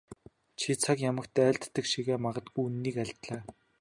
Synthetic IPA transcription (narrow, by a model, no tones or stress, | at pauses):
t͡ɕʰit͡sʰakjamə̆kt̪æːɮt̪ːə̆kʃiɣeːmaʁə̆t̪ɡuunːiːkæɮʲt̪ɮaː